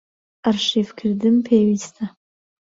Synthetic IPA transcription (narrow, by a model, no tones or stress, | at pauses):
arʂifkʰɪrdɨmpʰewistʰa